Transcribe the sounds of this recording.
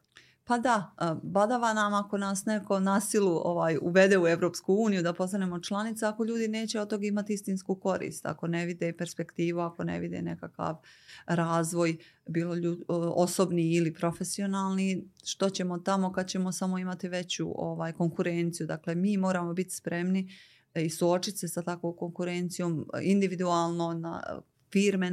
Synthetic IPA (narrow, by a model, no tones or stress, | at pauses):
pad̪abad̪aʋanamako̞naːsneko̞nasilˠuo̰ʋaːjṵʋe̞d̪e̞ːueʋɾo̞ːpskuuːnijud̪apo̞st̪anemo̞t͡ʃlˠanit̪saako̞ʎuːd̪ine̞ːt͡ɕeot̪o̞ɡaimat̪iist̪inskuko̞ɾḭːst̪a̰ko̞ne̞ʋid̪epe̞ɾspe̞kt̪iːʋuako̞nḛʋid̪ḛne̞̰kaka̰ʋɾaːzʋo̞j | biːlouoso̞bniilipɾo̞fe̞sio̞naːlˠniʃt̪o̞t͡ɕe̞mo̞t̪amo̞kad̪̚t͡ɕe̞mo̞samo̞imat̪iʋe̞t͡ɕṵʔo̰ʋaːjko̞ŋkuɾe̞nt̪sijud̪akle̞miːmo̞ːɾaːmo̞bit̪i̥spɾe̞mni | isuo̞t͡ʃit̪se̞sat̪akʋoːko̞ŋkuɾe̞nt̪sijo̞ːmind̪iʋid̪uaːlˠnona̰ | fiːɾme